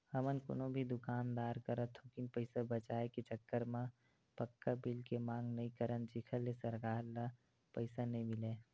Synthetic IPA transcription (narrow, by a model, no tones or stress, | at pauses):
həmənko̰ːnobʱid̪ʊkaːnd̪aːɾkəɾət̪ʰɦokinpəɪsabət͡ʃaːeket͡ʃəkːəɾmã | pəkːabilkemãːŋɡnəɦĩkəɾənt͡ʃɪkʰəlːesəɾkaːɾla | pəɪsanəɦĩmɪleː